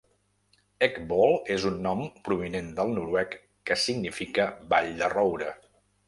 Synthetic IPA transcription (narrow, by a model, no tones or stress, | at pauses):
ɛkbɔlˠezunːɔmpɾuβinend̪əlˠnuɾwɛkː | əsiɡnifikəbaʎd̪ərɔwɾə